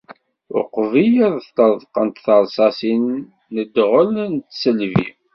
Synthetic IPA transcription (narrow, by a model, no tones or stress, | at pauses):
ʊ̰qvijəðˤθt̪əðˤqənt̪θəɾˤsˤɑsinː | əd̪ʁəlnt̪səlvḭ